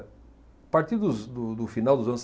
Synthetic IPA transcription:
paɾt̪iɾd̪ʊzd̪ʊd̪ʊfinawˠd̪ʊzɐ̃ns

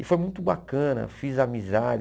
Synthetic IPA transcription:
ɪfojmũj̃t̪ʊbakɐ̃nɐ̰fizamizad͡ʒ

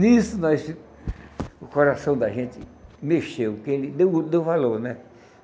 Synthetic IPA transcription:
nisʊnɔs | ʊkoɾasɐ̃w̃d̪aʒẽt͡ʃ̪ɪmeʃewkɪelɪd̪ewd̪ewvaloɾnɛ

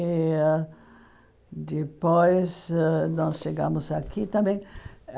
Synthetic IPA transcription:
d̪ipojsnɔsʃeɡɐ̃mʊzakʰit̪ɐ̃mbẽj̃

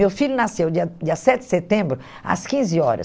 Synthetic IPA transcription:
ewfiʎʊnasewd͡ʒiɐd͡ʒiɐsɛt͡ʃɪd̪ɪ̥set̪ẽmbɾʊ | a̰skĩzɪɔɾɐ̰

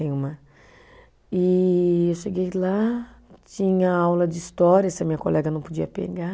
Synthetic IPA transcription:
ẽũmɐ | ɪewʃeɡejlat͡ʃĩɲɐawlɐd͡ʒɪist̪ɔɾiɐsɪɐmiɲɐkolʔɛɡɐnɐ̃w̃pod͡ʒiɐpḛɡa

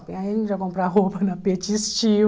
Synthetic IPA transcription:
ĩaĩʒakõmpɾaɦopɐnɐpet͡ʃist͡ʃi

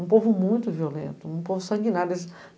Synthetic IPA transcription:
ũpovʊmũj̃t̪ʊviolḛ̃nt̪ʊũpovʊsɐ̃ŋɡinaɾd̪es

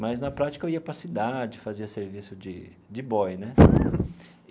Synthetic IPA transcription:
mɐjznɐpɾat͡ʃi̥kɐewiɐpɾɐsid̪ad͡ʒɪfaziɐseɾvisʊd͡ʒɪ | d͡ʒɪbɔjnɛ

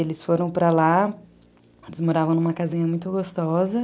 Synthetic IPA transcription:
elɪsfoɾɐ̃w̃pɾala | elɪzmoɾavɐ̃nũmɐkazĩɲɐmũj̃t̪ʊɡost̪ɔzɐ

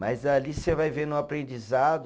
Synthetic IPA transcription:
mɐjzɐlisevajvenʊ̃apɾẽnd͡ʒizad̪ʊ

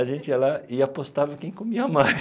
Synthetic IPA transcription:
ɐʒẽnt͡ʃɪiɐlaɪapost̪avɐkẽj̃kõmiɐamaɾ

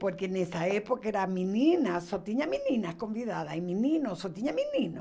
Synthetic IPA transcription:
poɾkeːnesaepokaeɾamĩninasot̪iɲamĩnĩnasko̞mbiðaðaimĩninosot̪iɲamĩnĩno

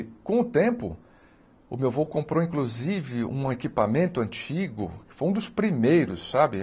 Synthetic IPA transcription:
kõʊt̪ẽpʊ̰ | ʊ̰mewvowkõmpɾowĩkluzivɪṵ̃ekipamẽnt̪ʊɐ̃t͡ʃiɡʊ̰kɪ̥fojũd̪ʊspɾimejɾʊsːabɪ

